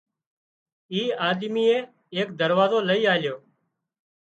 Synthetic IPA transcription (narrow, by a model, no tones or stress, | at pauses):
iːaːd̪miːeː | eːk̚d̪əɾʋaːzoːləiːaːljoː